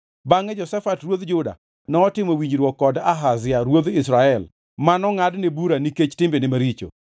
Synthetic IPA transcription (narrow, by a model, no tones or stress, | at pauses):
baŋɛd͡ʒɔsɛfatrwod̪d͡ʒʊda̰ | nɔːtɪmowiɲd͡ʒɾwɔkːɔdaɦazɪjaɾwod̪isɾaɛl | manɔŋadnebuɾaniket͡ʃtɪmbenɪmaɾit͡ʃo̰